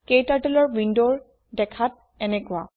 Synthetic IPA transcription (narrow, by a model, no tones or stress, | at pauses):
kejtaɹtɛlɔɹwindoɹ | dɛkʰat̚ | ɛnɛkʊa̰